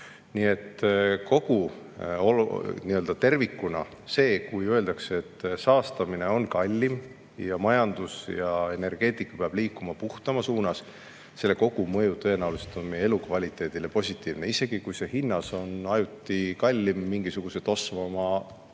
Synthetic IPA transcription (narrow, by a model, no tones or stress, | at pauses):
niːe̞t̪ːko̞ɡ̥u | oniøld̪̥ɑt̪e̞rvikːunɑ̰ | se̞ːkujøe̞ld̪ɑkseet̪ːsɑːst̪ɑmine̞o̞nkɑlʲːim | jɑmɑjɑnd̪̥usjɑe̞ne̞rɡ̥e̞ːt̪ˑikːˑɑ̥peɑb̥liːkːˑumɑpuht̪ɑmɑsuːnɑs | se̞lːe̞ko̞ɡ̥umɤjut̪ɤ̞e̞nɑwluset̪o̞nmije̞lukvɑlʲit̪ːˑe̞ːd̪̥ile̞po̞sʲit̪ːˑiːvneise̞ɡ̥ikujse̞hinːɑso̞nɑjut̪ːˑikɑlʲːimːiŋɡ̥isuɡ̥use̞d̪o̞svɑmɑ